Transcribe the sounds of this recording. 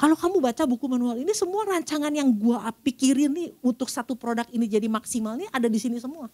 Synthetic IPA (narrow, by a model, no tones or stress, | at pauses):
kalokamubat͡ʃabukumanualinisəmuaɾaɲt͡ʃaŋanjaŋɡuapikiɾɪnːihunt̪ʊk̚sat̪upɾodakinid͡ʒadimaksimalniʔadadisinisəmua